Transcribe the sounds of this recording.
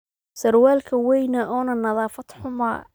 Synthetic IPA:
sɐrwaːlkʰɐwɛjnɐʔɔːnɐnɐðɑːfɐt̪ħʊmɐ̰

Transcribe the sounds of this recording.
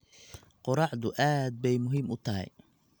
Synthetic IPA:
qʊɾɑʕd̪ʊʔaːd̪̚bɛjmʊɦiːmʊt̪ʰɐɦɛ̰j

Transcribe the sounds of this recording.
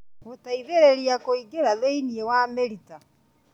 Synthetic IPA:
otaiðeɾeɾiakoiɡeɾaðeiniewameɾita

